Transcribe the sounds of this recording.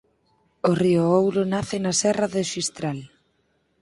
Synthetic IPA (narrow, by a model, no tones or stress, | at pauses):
orioowɾonaθɪnasɛraðeʃist̪ɾal